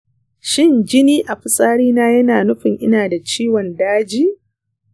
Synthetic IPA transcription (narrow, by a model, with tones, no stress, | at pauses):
ʃɪ˦nd͡ʒɪ˦niː˦ʔa˨ɸɪ˨sʼaː˦ɽiː˦naː˦jɐ˦naː˨nʊ˦ɸɪ˨ŋʔɪ˦naː˨da˨t͡ʃiː˦wɔ˨ndaː˦d͡ʒiː˦